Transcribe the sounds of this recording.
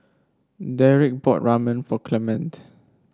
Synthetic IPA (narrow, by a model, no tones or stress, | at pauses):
dɛɹik̚bɔt̚ɹamə̃nfɔkʰlɛmə̃nt